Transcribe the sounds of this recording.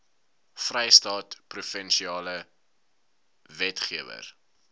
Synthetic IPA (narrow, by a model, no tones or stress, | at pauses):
frɛjstɑːtprufɛnʃiɑːlə | vɛtχiəvə̰r